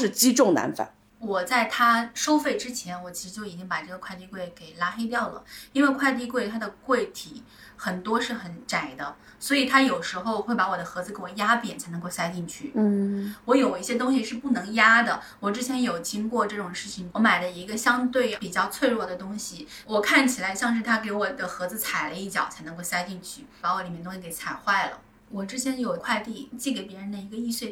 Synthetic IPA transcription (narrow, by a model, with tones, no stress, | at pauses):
ʂɻ̩˥˩t͡ɕi˥ʈ͡ʂʊ˥˩ŋna̰˧˥nfa̰˨˩˦n | wɔ˨˩t͡sa˥˩ɪt̪ʰa˥ʂo˥ʊfe˥˩ɪʈ͡ʂɻ̩˥t͡ɕʰjɛ˧˥nwɔ˨˩t͡ɕʰi˧˥ʂɻ̩˧t͡ɕjo˥˩ʊi˨˩t͡ɕi˥ŋpa˨˩ʈ͡ʂɤ˥˩ɡə˩kʰwa˥˧ɪt̪i˥˧kwe˥˩ɪke˨˩ɪla˥xe˥ɪt̪jɑ˥˩ʊlə̰˩i˥nwe˥˧ɪkʰwa˥˧ɪt̪̬i˥˧k̬we˥˩ɪt̪ʰa˥d̪ə˨kwe˥˩ɪt̪ʰi˨˩˦ | xə˨˩nt̪wɔ˥ʂɻ̩˥˩xə˧˥nʈ͡ʂa˨˩ɪd̪ə˦ | swɔ˧˥i˨˩t̪ʰa˥jo˨˩ʊʂɻ̩˧˥xo˥˧ʊxwe˥˩ɪpa˧˥wɔ˨˩d̪ə˦xɤ˧˥d͡zz̩ɹ̩˧ke˥˩wɔ˨˩ja˥pjɛ̰˨˩nt͡sʰa˧˥ɪnɤ˧˥ŋko˥˧ʊsa˥ɪt͡ɕi˥˧ŋt͡ɕʰy˥˩˥wɔ˧˥jo˨˩ʊi˥˩ɕjɛ˥t̪ʊ˥ŋɕi˧ʂɻ̩˥˧pu˥˩nɤ˧˥ŋja˥d̪ə˨ | wɔ˨˩ʈ͡ʂɻ̩˥t͡ɕʰjɛ˧˥njo˨˩ʊt͡ɕi˥ŋkwɔ˥˧ʈ͡ʂɤ˥˩ʈ͡ʂʊ˨˩ŋʂɻ̩˥˩t͡ɕʰi˨˩ŋwɔ˧˥ma˨˩ɪlə˦i˧˥ɡə˧ɕjɑ˥ŋt̪we˥˩ɪpi˨˩t͡ɕjɑ˥˧ʊt͡sʰwe˥˧ɪɻwɔ˥˩d̪ə˩t̪ʊ˥ŋɕi˨ | wɔ˨˩kʰa˥˩nt͡ɕʰi˨˩la˧˥ɪɕjɑ˥˧ŋʂɻ̩˥˩t̪ʰa˥ke˧˥ɪwɔ˨˩d̪ə˦xɤ˧˥d͡zɹ̩˧t͡sʰa˨˩ɪlə˦i˥˩t͡ɕjɑ˨˩ʊt͡sʰa˧˥ɪnɤ˧˥ŋko˥˧ʊsa˥ɪt͡ɕi˥˧ŋt͡ɕʰy˥˩pa˧˥wɔ˧˥li˨mɛ˥˩t̪ʊ˥ɕi˥˧ke˧˥ɪt͡sʰa˨˩ɪxwa˥˩ɪlə̰˩ | wɔ˨˩ʈ͡ʂɻ̩˥t͡ɕʰjɛ˧˥njo˨˩ʊkʰwa˥˧ɪt̪i˥˧˩t͡ɕi˥˩ɡe˧˥˩pjɛ˧˥ɻə˧˥nd̪ə˧i˧˥ɡə˧i˥˧swe˥˧ɪ